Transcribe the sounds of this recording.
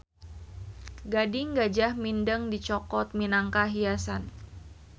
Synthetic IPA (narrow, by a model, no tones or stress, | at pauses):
ɡadɪŋɡad͡ʒahmindəŋdit͡ʃɔkɔt̪̚minaŋkaɦiasan